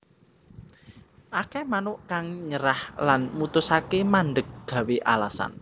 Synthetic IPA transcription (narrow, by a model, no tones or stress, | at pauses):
ʔakɛmanʊʔkaŋɲəɾahlanmut̪ʊsakemaɳɖək̚ɡ̥ä̤weʔalasa̰n